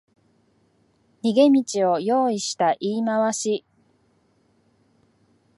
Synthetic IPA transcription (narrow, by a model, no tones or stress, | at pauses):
ɲʲiɡe̞mʲit͡ɕio̞jo̞ːiɕi̥t̪aʔiːmaβaɕi